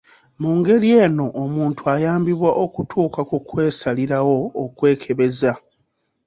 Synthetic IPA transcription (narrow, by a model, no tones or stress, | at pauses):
muːŋɡe̞ɾie̞ːno̞ʔːmuːntuajaːmbiβwaʔokutʰuːkakukwe̞ːsaliɾawo̞ːkwe̞ːkʰe̞βe̞za